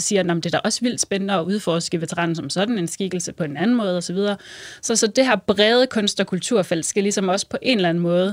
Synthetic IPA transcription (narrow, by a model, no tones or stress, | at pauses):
siːɐnɒm̩d̥e̝d̥æɐʔɒ̽sʋil̰d̥sb̥enənəɒ̽ʔuð̞ˠfɒːsɡ̥əʋe̝t͡sʰeʁɑ̰̈ːn̩sɒ̽msɒ̽d̥n̩e̝nsɡ̥iɡ̥l̩səpʰɒ̽e̝nænn̩mɔ̽ːð̞ˠɒsɒ̽ʋið̞ˠɐːsɒ̽sɒ̽d̥ehæɐ̰b̥ʁɛːð̞ˠəkʰɔ̽nsd̥ɒ̽kʰult͡sʰuɐ̰fæl̰d̥sɡ̥ælisɒ̽mɒ̽sə̥pʰɒ̽ʔe̝nlæn̩mɔ̽ːð̞̩ˠ